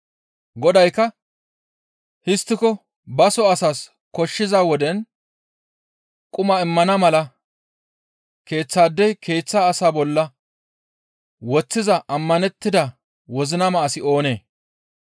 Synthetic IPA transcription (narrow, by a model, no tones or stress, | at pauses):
ɡɔd̪ɐjkːɐ | hɪst̪ːɪkɔ | bɐsɔɐsaːs | kɔʃːɪzaːwɔd̪ɛn | kʼʊmɐɪmːɐnɐmɐlɐ | ke̞ːt͡sːaːd̪ːɛjkʰe̞ːt͡sːaːsaːbɔlːɐ | wɔt͡sːɪzɐʔɐmːɐnɛt̪ːɪd̪ɐ | wɔzɪnɐmɐʔːsɪo̞ːne̞ː